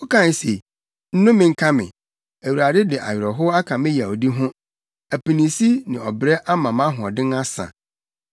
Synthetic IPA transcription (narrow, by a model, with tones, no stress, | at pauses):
o˦kã˦n˨˦se˨ | n̩˦nʊ̃˦mɪ̃˨ŋ̩˦kʰa˦mɪ̰̃˨ | æ˨wu˨ɾa˨dɪ˦dɪ˨ʔa̰˨ɥɪ˨ɾɔ˨ɦʊ˦a˦kʰã˨mɪ̃˦ja˨o˨di˦ɦʊ̃˦ | æ˨pi˨nĩ˨si˦nɪ̃˨ɔ˨bɾɛ˦ʔa˦mã˨mã˦ɦʊ̃˨ɔ˨dɪ̃˦ŋa˦sã̰˨